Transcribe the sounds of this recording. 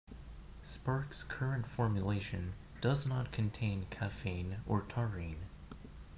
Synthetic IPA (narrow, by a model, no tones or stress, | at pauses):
spɑɹkskʰɜ˞ɨ̃ntfɔɹmjɨleɪʃɨ̰̃n | d̥ʌznət̚kʰɨ̃ntʰẽɪ̃nkʰæfẽɪ̃nə˞tʰɑɹĩn